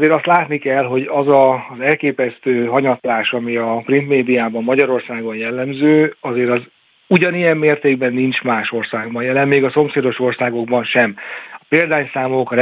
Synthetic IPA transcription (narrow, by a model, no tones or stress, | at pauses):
zeːɾɒst̪laːt̪nikɛlɦo̞ɟɒzɒzɛlkeːpɛst̪øːɦɒɲɒt̪laːʃɒmiɒprint̪meːd̪ijaːbɒmːɒɟɒɾo̞rsaːɡonjɛlːɛmzøːɒzeːɾɒz | uɟɒnijɛmːeːrt̪eːɡbɛnːint͡ʃmaːʃo̞rsaːɡbɒnjɛlɛmmeːɡɒso̞mseːd̪o̞ʃo̞rsaːɡo̞ɡ̚bɒnʃɛmɒpeːld̪aːɲsaːmoːk